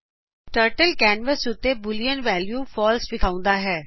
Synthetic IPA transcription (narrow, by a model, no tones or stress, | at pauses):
ʈəːɾʈəlkɛːnʋəsʊt̪ːeːbʊlijənʋɛːljuːfʰɔːlsfɪkʰaːʊ̃nd̪aːɦɛː